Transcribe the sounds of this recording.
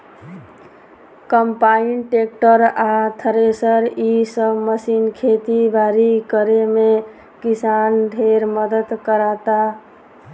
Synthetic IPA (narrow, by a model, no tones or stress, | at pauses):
kəmpainʈekʈəɾat̪ʰəɾesəɾisəbməsinkʰet̪ibʱaɾikəɾeme | kisanɖʱeɾməd̪əd̪kəɾat̪a